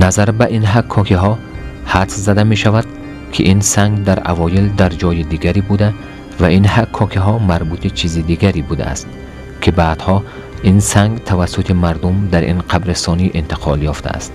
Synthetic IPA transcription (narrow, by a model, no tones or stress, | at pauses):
nazaɾbaʔinɦakʰːɔkʰiɦɔ | hat̪szad̪ame̞ʃavad̪̥ | kʰiʔinsaŋɡd̪aɾa̰vɔjild̪aɾd͡ʒɔjid̪iɡaɾibud̪a | vainhakʰːɔkʰiɦɔmaɾbut̪ʰit͡ʃʰizid̪iɡaɾibud̪a̰a̰st̪ | kʰibaːd̪̥hɔ | insaŋɡt̪ʰavasːut̪ʰimaɾd̪umd̪aɾʔḭnqʰabɾesɔniʔint̪i̥qʰɔljɔft̪ʰa̰ʔːst̪